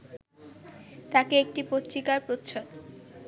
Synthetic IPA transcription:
t̪akeek̚ʈipot̪ːɾikaɾpɾot̪ʃʰod̪

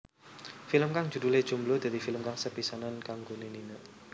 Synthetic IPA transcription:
filəmkaŋ̥d͡ʒ̥ud̪uled̥ʒ̥ṳmblod̪̥a̤d̪ifiləmkaŋsəpisanankaŋɡoneninəʔ

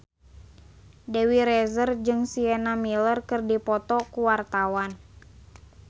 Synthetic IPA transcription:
dɛwiɾɛzərd͡ʒɨŋsiɛnamilərkɨrdipɔt̪ɔkuwart̪awan

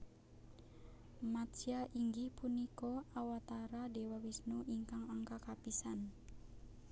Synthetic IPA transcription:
mat̪siaʔiŋɡihpunikɔawat̪aɾadewawisnuʔiŋkaŋaŋkakapisan

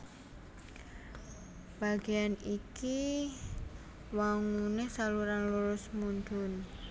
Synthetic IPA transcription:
b̥a̤ɡ̥ejaniki | waŋunesaluɾanluɾʊsmund̪ʊn

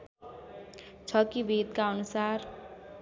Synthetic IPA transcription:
t͡ʃʰʌkibeːd̪kaʌnusaːɾ

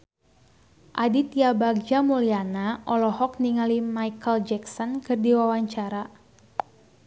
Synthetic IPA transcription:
ʔadit̪jabaɡ̚d͡ʒamulianaʔɔlɔhɔk̚niŋalimajkəld͡ʒɛksɔnkɨrdiwawaɲt͡ʃaɾa

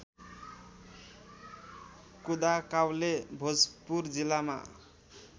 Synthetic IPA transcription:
kud̪akawlebʱod͡zpurd͡zilama̰

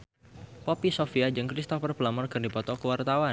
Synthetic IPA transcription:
pɔpisofiad͡ʒɨŋkɾist̪ɔfərpəlamɔrkərdipɔt̪ɔkəwart̪awa

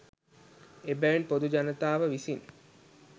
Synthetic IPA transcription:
ebæjinpod̪ud͡ʒanət̪aːʋəʋisin

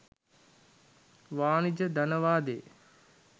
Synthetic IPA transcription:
ʋaːnid͡ʒəd̪anəʋaːd̪ḛ

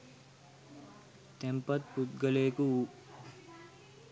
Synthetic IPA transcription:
t̪empɐt̪̚put̪̚ɡəleːkuu

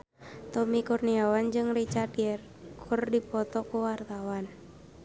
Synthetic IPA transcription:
t̪ɔmikurniawand͡ʒɨŋrit͡ʃardiɛr | kʰurdipɔt̪ɔkuwart̪awan

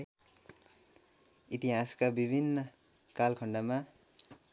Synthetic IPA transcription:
it̪iɦaskabibʱinːʌ | kalkʰʌɳɖama

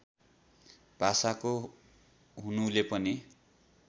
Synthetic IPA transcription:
b̥ʱasako | ɦunulepʌni

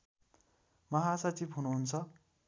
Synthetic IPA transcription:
mʌɦasʌt͡sibɦunuɦunt͡sʰʌ

